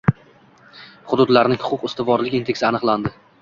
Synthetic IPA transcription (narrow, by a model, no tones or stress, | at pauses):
χʊd̪ʊd̪laɾnɪŋhʊ̥qʰʊqɪst̪ɪvɒɾlɪkʲint̪ʰeksɪanɨqlˠand̪ɪ